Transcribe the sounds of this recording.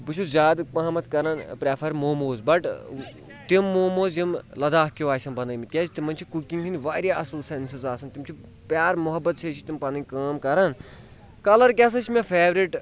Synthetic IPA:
bɨt͡ʃʰuzʲaːd̪mɐɦɐmɐt̪ʰkɐɾaːnpɾeːfʰɐɾmoːmoːzbɐʈ | t̪imːoːmoːzimlɐd̪aːɦkiʋaːsɐnbɐnɐjmit̪̚kʲeːzt̪imɐnʲt͡ʃʰikukiŋɡkʰinʲʋaːɾʲjaʔɐsɐlsensizaːsɐnt̪imt͡ʃʰi | pjaːɾmʊɦɐbːɐt̪sʰeːt͡ʃʰit̪impɐnikaːmkɐɾaːn | kɐlɐɾkʲaːs̬ɐt͡ʃʰmʲefʰeːʋɾiʈ

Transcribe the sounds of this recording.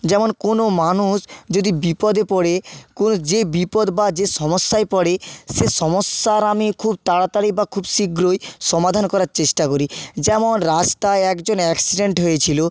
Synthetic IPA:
d͡ʑɛmonkonomanuʃd͡ʑod̪ibipɔd̪epɔɽekonod͡ʑebipɔd̪bad͡ʑeʃɔmosːaepɔɽeʃeʃɔmosːaɾamikʰub̚t̪aɽat̪aɾibakʰubsiɡɾojʃɔmad̪ʱankɔɾaɾt͡ɕeʃʈakoɾid͡ʑɛmonɾast̪aeɛkd͡ʑonɛksiɖeɳʈɦojet͡ɕʰilo

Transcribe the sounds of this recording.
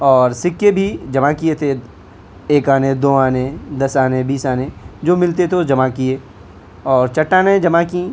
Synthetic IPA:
ɔːɾsɪkːebʱid͡ʒɐmakiet̪ʰe | eːkaːned̪oːaːnẽd̪ɐsaːnẽbiːsaːnẽd͡ʒoːmɪlt̪et̪ʰed͡ʒɐmakie | ɔːɾt͡ʃɐʈːaːned͡ʒɐmakĩ

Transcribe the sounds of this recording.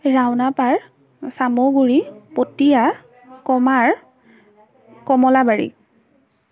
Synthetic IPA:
ɹawnapaɹ | samoɡuɹipotija | kɔmaɹ | kɔmɔlabaɹḭ

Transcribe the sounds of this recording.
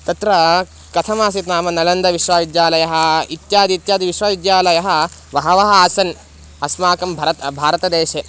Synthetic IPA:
t̪ɐt̪ɾɐ | kɐt̪ʰɐmaːsit̪naːmɐnɐlɐnd̪ɐʋiʃʋaːʋid̪jaːlɐjɐɦɐ̆it̪jaːd̪it̪jaːd̪iʋiʃʋaːʋid̪jaːlɐjɐɦɐ̆ʋɐɦɐʋɐɦɐaːsɐn | ɐsmaːkɐmbʱɐɾɐt̪bʱaːɾɐt̪ɐd̪eːʃe

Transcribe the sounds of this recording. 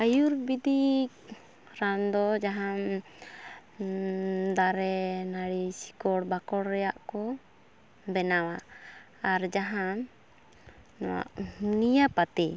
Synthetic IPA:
ajuɾbid̪ik | ɾand̪ɔd͡ʒaɦam | d̪aɾɛnaɽisi̥kɔɽbakɔɽɾɛjaʔkɔ | bɛnawaː | ɾd͡ʒaɦã | nɔ̰wa̰ʔnijapat̪ɛ

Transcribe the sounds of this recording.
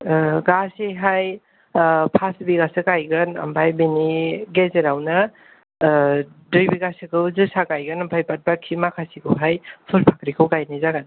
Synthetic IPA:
ɡasiɦaj | pʰasbiɡasɯkajɡɯnɐ̰mbʰajbiniɡezeɾawna | dɯjbiɡasikʰɯwzɯsakajɡɯnampʰajpat̚bakʰːimakʰasikʰɯwɦajpʰulpʰakɾikʰɯwkajnizaɡan

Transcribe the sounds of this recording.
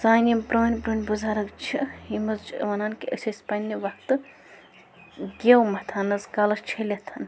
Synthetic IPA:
saːnʲimpɾoːnʲpɾoːnʲbuzaːɾɐkt͡ʃʰiimɐzt͡ʃʋɐnaːnkiə̰sʲɐsʲpɐnʲːiʋɐkt̪ɨ | ɡʲewmɐt̪ʰanːɐzkɐlɐst͡ʃʰɐlʲɐt̪ʰɐn

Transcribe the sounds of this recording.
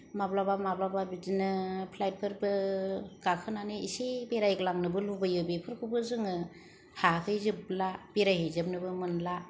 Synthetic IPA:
mablabamablababizinɯpʰlajt̚pʰɯɾbɯɡ̥akʰɯnanɯisebeɾajɡlaŋnɯbɯlubajɯbipʰɯɾkʰubɯzɯŋɯ | hakʰɯjzɯb̚lab̥eɾajhɯzɯp̚nɯbɯmɯnla

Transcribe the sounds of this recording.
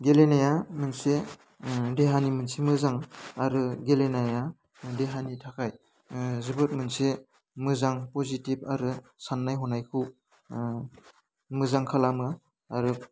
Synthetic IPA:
ɡelenajamɯnse | deɦanimɯnsemɯzaŋaɾɯɡelenaja | deɦanitʰakʰaj | zɯbɯt̚mɯnse | mɯzaŋpɔzitibaɾɯsanːajɦɔnajkʰɯw | mɯzaŋkʰalamɯ | aɾɯ

